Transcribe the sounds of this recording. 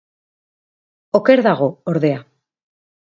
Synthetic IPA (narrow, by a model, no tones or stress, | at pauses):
oke̞ɾðaɣ̞o̞oɾðe̞a